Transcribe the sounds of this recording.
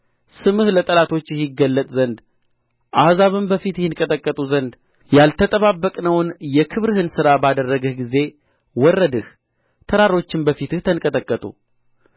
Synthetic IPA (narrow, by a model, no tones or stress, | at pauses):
sɨmɨhlət̪ʼəlat̪ʰo̞t͡ʃːɛhjɪɡːəlːət̪ʼzənd̪ | ʔahzaβɨmbəfit̪jɛjɪnkʼət̪ʼəkʼːət̪ʼuzənd̪ | jalt̪ʰət̪ʼəβabːəkʼnəwnjɛkʰɨβɾɨhɨnsɨɾabad̪ərːəɡɨhɡize̞ | wɔrːəd̪ɨh | t̪ʰəɾaɾo̞t͡ʃːɪmbəfit̪ɨht̪ʰənkʼət̪ʼəkʼːət̪ʼṵ